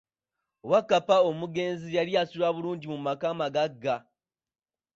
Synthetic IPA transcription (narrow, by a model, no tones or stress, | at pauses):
wakːapaomuɡe̞ːnzijaɾijasulaβuluːɲɟimumakaːmaɡaɡːa